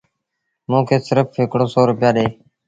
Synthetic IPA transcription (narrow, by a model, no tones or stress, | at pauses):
mũːkʰeːsɪɾəfɦɪkɽoːsoːɾʊpɪjaːɗeː